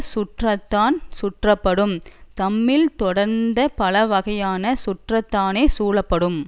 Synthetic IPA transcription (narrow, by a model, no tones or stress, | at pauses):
sʊʈrɐt̪ːaːnsʊʈrɐpːɐɽɯmt̪ɐmːɪlt̪ɔɽɐɾnd̪ɐpɐlɐʋɐɣɐjaːnɐsʊʈrɐt̪ːaːneːsuːlɐpːɐɽɯm